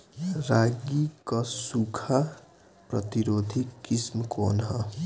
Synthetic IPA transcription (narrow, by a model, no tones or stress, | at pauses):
raɡikʌsukʰa | prʌ̰t̪iɾod̪ʱikismʌkonɦʌ